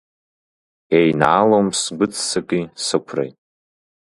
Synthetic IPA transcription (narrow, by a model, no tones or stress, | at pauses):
ejna̰lomsɡʷʊt͡sʰʼsɨkʼisɨkʷʰrḛjtʼ